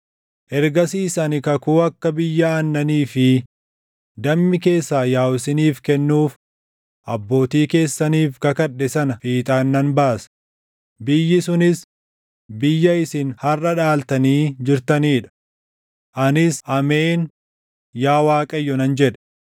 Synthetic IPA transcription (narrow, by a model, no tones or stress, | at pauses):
ʔɛɾɡɐsiːsɐnɪkɐkuːɐkːɐbɪjːɐːnːɐniːfɪ | d̪ɐmːɪke̞ːsːaːjaːwɪsɪniːfkɛnːuːf | ʔɐbːo̞ːt̪iːke̞ːsːɐniːfkɐkɐɗːɛsɐnɐfiːt̪ʼaːnːɐnbaːsɐ̥ | bɪjːɪsʊnɪs | bɪjːɐɪsɪnhɐrːɐᶑaːlt̪ɐniːd͡ʒɪɾt̪ɐniːᶑɐ̥ | ʔɐnɪsʔɐme̞ːn | jaːwaːkʼɐjːɔnɐnd͡ʒɛᶑɛ̥